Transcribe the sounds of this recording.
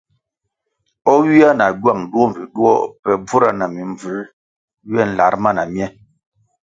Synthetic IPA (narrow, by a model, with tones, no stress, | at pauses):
ɔ˦wi˦a˦na˨ɡwa˦˨ŋdu˦ɔ˦m˨vi˨ɗu˦ɔ̰˦pɛ˨b͡vu˦ɾa˨na˨mi˨ɱb͡vʉ˨˦ | ɥɛ˦˨n̩˨la˨˦ɾma˦˨na˨mjɛ˦